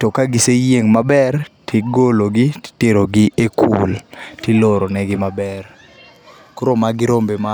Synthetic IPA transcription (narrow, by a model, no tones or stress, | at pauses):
tɔkaɡɪsejeŋmabɛrtʰɪɡoloɡɪtteɾoɡɪʔekʰṵltɪloɾonɛɡɪmabɛr | kuɾomaɡɪɾombema